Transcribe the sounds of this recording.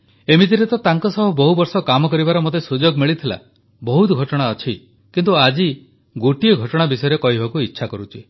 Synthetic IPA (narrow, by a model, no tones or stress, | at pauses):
emit̪̬iɾet̪ɔt̪aŋkɔsɔɦɔbɔɦubɔɾsɔkamɔkɔɾibaɾɔmot̪esud͡ʒoɡmiɭit̪ʰila̰ | bɔɦut̪ɡʱɔʈɔɽ̃aɔt͡ʃʰi | kint̪uad͡ʒi | ɡoʈijɔɡʱɔʈɔɽ̃abisɔjɔɾekɔɦibakuitːʃʰakɔɾut͡ʃʰi